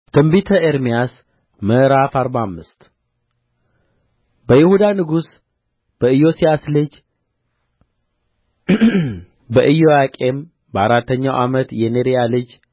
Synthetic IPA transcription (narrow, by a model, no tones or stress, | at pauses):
t̪ʰɨmbit̪ʰəeɾmijas | məɾafaɾbaamːɨst̪ | bəjɪhud̪anɨɡus | b̥əɨjo̞sijaslɨd͡ʒ | bəʔɨjojakʼe̞m | bəaɾat̪ʰːəɲːawʔamət̪jɛneɾijalɨd͡ʒ